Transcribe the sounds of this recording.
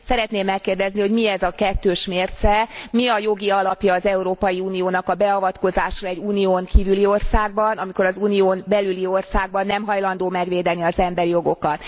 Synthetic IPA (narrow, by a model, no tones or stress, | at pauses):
sɛɾɛt̪neːmːɛkːeːrd̪ɛzniho̞ɟmiɛzɒkɛt̪ːøːʃmeːrt̪sɛmiɒjo̞ɡiɒlɒpjɒːzɛuɾoːpɒjiuːnioːnɒkɒbɛɒvɒt̪ko̞zaːʃrɒɛɟuːnioːŋkiːvylio̞rsaːɡ̚bɒnɒmiko̞ɾɒzuːnioːnbɛlylio̞rsaːɡ̚bɒnːɛmɦɒjlɒn̪d̪oːmɛɡʋeːd̪ɛniɒzɛmbɛɾijo̞ɡo̞kɒt̪